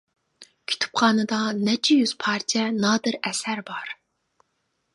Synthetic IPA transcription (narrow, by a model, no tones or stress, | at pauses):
kʲʰy̥t̪ʰy̥p̚qɑːnɨd̪ɑnɛt͡ʃʰɛjyz̥pʰɑɾt͡ʃ̪ʰɛnɑːd̪ɨɾɛsæɾbɑɾ